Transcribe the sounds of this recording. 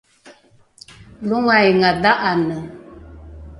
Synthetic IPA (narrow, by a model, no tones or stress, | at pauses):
luŋajŋadaʔanə